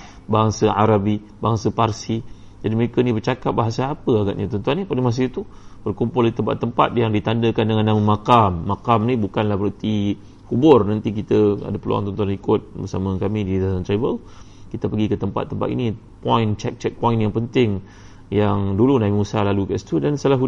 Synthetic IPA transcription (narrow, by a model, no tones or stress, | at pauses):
baŋsəʔa̰ɾabi | baŋsəparsi | d͡ʒadiməekənibərt͡ʃakap̚baɦasaːpəaɡa̰ʔɲat̪ɔnt̪uanɲapadəmas̬ɪit̪ub̥ərkumpʊldit̪əmpa̰t̪ːəmpa̰t̪̚jaŋdit̪andəkandəŋanːaməmakamːakamnibukanlahbəɾət̪i | kubʊrnant̪ik̬it̪əa̰dapəlṵa̰ŋt̪ɔnt̪uanikʊt̪̚bərsamə̃kamididasant̪ɾabəl | kit̪əpəɡikət̪əmpa̰t̪ːəmpa̰t̪ḭni | pɔint͡ʃɛ̰k̚t͡ʃɛk̚pɔinjaŋpənt̪ɪŋ | jaŋdulunaimusalalukaʔsi̥t̪udansalaɦu